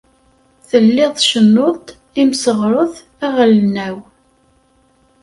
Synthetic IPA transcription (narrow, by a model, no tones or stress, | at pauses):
θəlːɪðˤʃənːot̪ | imsəʁɾˤəθ | æʁəlnːæw